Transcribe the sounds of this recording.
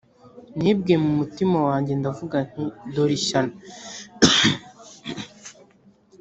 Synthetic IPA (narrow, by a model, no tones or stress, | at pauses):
n̥iːbɡiemumutimawaːɲɟe̞ndavuɡanidoɾiʃana